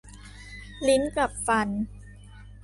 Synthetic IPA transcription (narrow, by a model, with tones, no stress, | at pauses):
li˦˥nka˨˩p̚fa˧n